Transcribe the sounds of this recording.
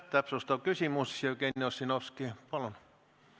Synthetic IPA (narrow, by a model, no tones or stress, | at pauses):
t̪ːæpsust̪ɑkysimussiokenːeossinoskiːpɑlon